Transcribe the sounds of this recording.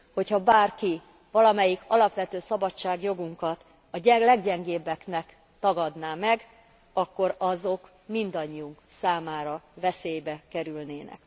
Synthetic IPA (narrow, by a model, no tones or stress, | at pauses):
ho̞chɒbaːrki | vɒlɒmɛjikʰɒlɒpʋɛt̪øːsɒbɒt͡ʃːaːɡjo̞ɡuŋkɒt̪ | ɒɟɛlɛɡɟɛŋɡeːbːɛknɛk | t̪ɒɡɒd̪naːmɛɡ | ɒkːo̞ɾɒzo̞k | mind̪ɒɲːiuŋksaːmaːɾɒvɛseːjbɛkɛɾylneːnɛ̰k